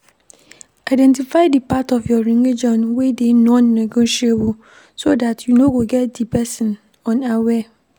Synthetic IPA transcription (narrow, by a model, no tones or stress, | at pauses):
aɪdɛ̃ntifaɪdipʰatʰɔfjɔɾĩŋed͡ʒɔ̃nwedenɔ̃nːãɡʊ̃ʃɛwu | sodatʰjunoɡoɡɛt̚dipʰɛsɪ̃n | ɔ̃nawɛ